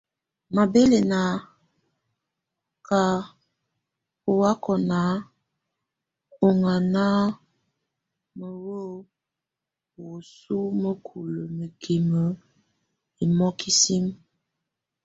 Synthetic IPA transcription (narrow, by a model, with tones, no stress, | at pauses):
ma˨be˦le˨na˨ | ka˨ | o˨wa˦kʰɔ˨na˨˦ | o˨ŋa˨na˦ | mə˨wo˦˨ | wo˨su˦mə˦kʰu˨lə˨mə˨kʰi˨mə˨˦ | i˨mɔ˦ki˦si˦m